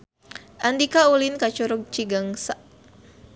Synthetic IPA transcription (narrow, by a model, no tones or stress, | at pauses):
ʔandikaulinkat͡ʃuɾʊk̚t͡ʃiɡaŋsaʔ